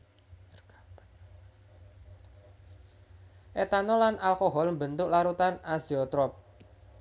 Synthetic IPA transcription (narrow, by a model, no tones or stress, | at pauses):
ʔet̪anɔlanʔalkoɦɔlmbənt̪ʊklaɾut̪anaziɔt̪ɾɔp̚